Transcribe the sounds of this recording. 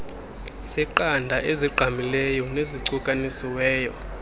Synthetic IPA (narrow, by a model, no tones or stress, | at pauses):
siǃandʱaʔeziǃʱamilɛjɔneziǀukʼanisiwɛːjɔ̰